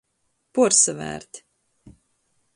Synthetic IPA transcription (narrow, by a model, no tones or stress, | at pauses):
puɾsavæ̰ːɾt̪